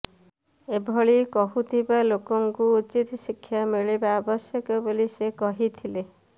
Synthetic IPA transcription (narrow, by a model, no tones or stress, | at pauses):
ebʱɔɭikɔɦut̪ʰibalokɔŋkuut͡ʃit̪sikʰːjameɭibaːbɔsjɔkɔbolisekɔɦit̪ʰile